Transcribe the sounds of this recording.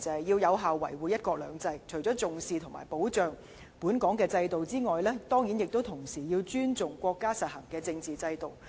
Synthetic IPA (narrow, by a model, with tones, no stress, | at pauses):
t͡sɐ˨ɐ˨jiː˧wjɐ˨˧wɦaː˨wːɐ̰˨˩jwuː˨˧jɐ˥t̚kɔː˧k̚lœː˨˧ŋt͡sɐ˧jt͡ʃʰɵ˨˩jt͡sɔː˨˥t͡sʊ˨ŋsiː˨˧t̪ʰʊ˨˩ma̰˨˩jpo˨˥wt͡ʃœː˨ŋ | puː˨˥nkɔː˨˥ŋkɛː˧t͡sɐ˧jt̪o˨wt͡siː˥ŋɔː˨jlɛː˥t̪ɔː˥ŋji˨˥njɪ˨k̚t̪o˥wt̪ʰʊ˨˩ŋsiː˨˩jiː˧wt͡ʃyː˥nt͡sʊ˨ŋkʷɔː˧kːaː˥sɐ˨t̚hɐ˨˩ŋkɛː˧t͡sɪ˧ŋt͡siː˨t͡sɐ˧jt̪o˨w